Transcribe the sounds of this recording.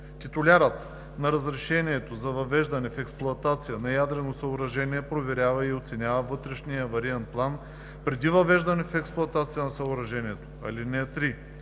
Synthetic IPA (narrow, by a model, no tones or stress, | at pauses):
t̪it̪ʊlʲaɾət̪ | nɐɾɐzɾɛʃɛniɛt̪ozɐvɐvɛʒd̪ɐnɛfɛksplˠʊɐt̪at̪sijənɐjad̪ɾɛnosɐʊɾɐʒɛniɛpɾovɛɾʲjavɐiot̪sɛnʲavɐvɤt̪ɾɛʃnijəvɐɾiant̪̚plˠan | pɾɛd̪ivɐvɛʒd̪ɐnɛfɛksplˠʊɐt̪at̪sijənɐsɐʊɾɐʒɛniɛt̪o̥ɐ̰linɛt̪ɾi